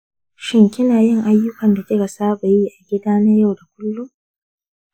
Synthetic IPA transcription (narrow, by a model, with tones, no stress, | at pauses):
ʃɪ˦ŋkʲɪ˦naː˨jɪ˦ŋʔa˦jːʊ˦kɐ˨nda˨kʲɪ˦ka˨saː˦ɓa˨jiː˦ʔa˨ɡʲɪ˦daː˦na˦ja˦˨wda˨kʷʊ˦lːu˦